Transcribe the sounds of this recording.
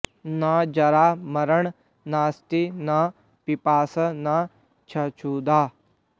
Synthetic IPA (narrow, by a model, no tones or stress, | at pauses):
nãːd͡ʒɐɾaːmɐɾəɳ | naːst̪ina | pipaːsənaː | t͡ʃʰɐt͡ʃʰuːd̪aː